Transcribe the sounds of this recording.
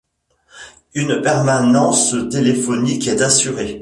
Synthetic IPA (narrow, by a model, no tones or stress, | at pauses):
ynpɛʁmanɑ̃st̪elefɔnikɛt̪asyʁe